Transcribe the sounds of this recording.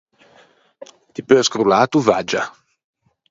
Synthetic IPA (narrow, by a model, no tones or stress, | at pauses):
t̪ipøskɾulaːt̪uvad͡ʒa̰